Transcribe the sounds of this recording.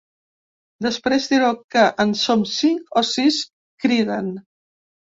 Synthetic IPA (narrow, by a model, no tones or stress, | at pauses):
d̪əspɾezðiɾokəʔənsomsiŋkosis | kɾiðən